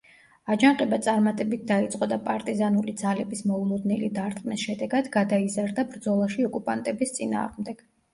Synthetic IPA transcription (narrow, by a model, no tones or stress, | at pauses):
ad͡ʒaŋqʼɛbat̪sʼaɾmat̪ʼɛbit̪̚ʰd̪ait̪sʼqʼɔd̪apʼaɾt̪ʼizanulid̪zalɛbismɔulˠɔd̪nɛlid̪aɾt̪ʼqʼnisʃɛd̪ɛɡad̪ɡad̪aizaɾd̪abɾd̪zɔlˠaʃiɔkʼupʼant̪ʼɛbist̪sʼina̰ːʁmd̪ɛɡ̥